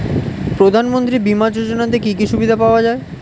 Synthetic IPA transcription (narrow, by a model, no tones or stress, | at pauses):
pɾod̪ʱanmont̪̬ɾibimad͡ʑod͡ʑonat̪̬ekikiʃubid̪ʱapaoad͡ʑae